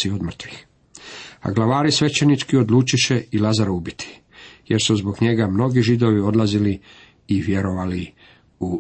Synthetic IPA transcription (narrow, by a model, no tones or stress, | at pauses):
iod̪mr̩t̪ʋix | a̰ɡlaʋaːɾisʋe̞t͡ɕenit͡ʃkio̞d̪lˠuːt͡ʃiʃeilazaɾubit̪ʰi̥ | je̞ɾsuzbo̞ɡɲe̞ɡamno̞ɡiʒid̪o̞ʋio̞d̪lazili | iʋje̞ɾo̞ʋali | u